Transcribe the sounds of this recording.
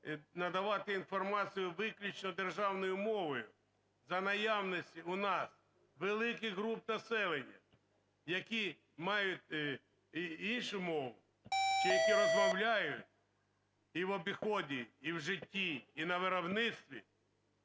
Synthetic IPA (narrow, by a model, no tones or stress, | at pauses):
nɐd̪ɐʋɑt̪ɪinfɔrmɑt͡sʲijʊʋɪklʲʊt͡ʃnɔd̪erʒɑwnɔjʊmɔʋɔjʊ | zɐnɐjawnɔsʲtʲiʊnɑs | ʋelˠɪkɪɣɦɾup̚nɐsɛlˠenʲːɐ̰ | jɐkʲi | mɑjʊtʲ | inʃʊmɔʋʊ̰ | t͡ʃijɐkiɾɔzmɔwlʲajʊtʲ | iʋɔbʲixɔdʲiiwʒɪtʲːiːnɐʋeɾɔbnɪt̪st̪ʋʲḭ